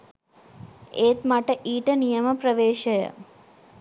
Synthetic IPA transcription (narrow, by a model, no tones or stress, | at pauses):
eːt̪mɐʈɐʔiːʈɐnijɐmɐpɾɐʋeːʃɐjɐ̰